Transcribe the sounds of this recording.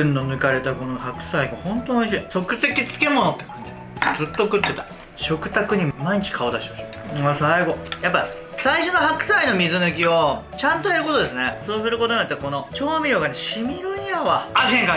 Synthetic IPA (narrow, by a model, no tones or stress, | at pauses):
ɯ̟̃nːonɯ̟kaɾe̞t̪ako̞nohakɯ̟̥saiɡahõ̞nt̪onoiɕiːso̞kɯ̟se̞kʲit͡sɨ̥ke̞mo̞no̞t̪ːe̞̥kãnd͡ʑiezɨt̪ːokɯ̟t̪ːe̞t̪ḁ | ɕo̞kɯ̟t̪akɯ̟ɲ̟imaiɲ̟it͡ɕi̥kʰao̞d̪aɕemaɕi | asaiɡo̞japːa | saiɕo̞no̞hakɯ̟̥saino̞mʲizɨnɯ̟k̬ʲio̞ | t͡ɕãnt̪o̞jaɾɯ̟ko̞t̪o̞d̪e̞sɨne̞so̞ːs̬ɨɾɯ̟ko̞t̪oɲiat̪ːako̞no̞t͡ɕo̞ːamʲiɾjo̞ːɡaneɕimʲiɾɯɲjaβaaẽŋka